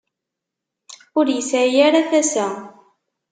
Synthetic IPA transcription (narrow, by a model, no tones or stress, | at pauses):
ʊɾjəsjaɾaθæsæ